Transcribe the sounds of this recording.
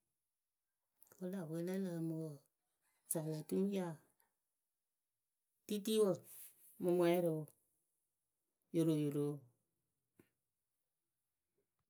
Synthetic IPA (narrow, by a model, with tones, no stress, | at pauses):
ko˦la˨we˨˦le˦la˨mo˨ | sa˨la˨tu˦n˦d͡ʒa˦˨ | ti˦ti˦wo˦˨ | mo˧mwɛ˦ɾo˨ | jo˨ɾo˨jo˨ɾo˨˦